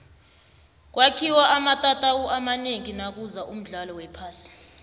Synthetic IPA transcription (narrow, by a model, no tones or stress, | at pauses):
k̬wakʰiwaʔamatʼatʼawuʔamaneŋinak̬uzaʔum̩ɮalɔwɛpʰaːsi̥